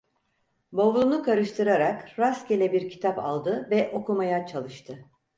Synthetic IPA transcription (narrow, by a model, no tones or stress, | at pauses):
bo̞vlˠunukʰaɾɯʃt̪ʰɯɾaɾakɾascelʲɛbiɾcʰi̥t̪ʰapa̰lˠd̪ɯvɛʔo̞kumajat͡ʃʰalˠɯʃt̪ʰɯ